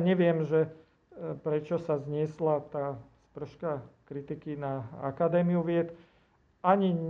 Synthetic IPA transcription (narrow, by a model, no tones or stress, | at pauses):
ɲɛʋɪɛmʒɛ | pɾɛt͡ʃɔsazɲɪɛslat̪aːspr̩ʃkakɾit̪ikinaa̰kad̪ɛːmiuʋɪɛt̪ | aɲi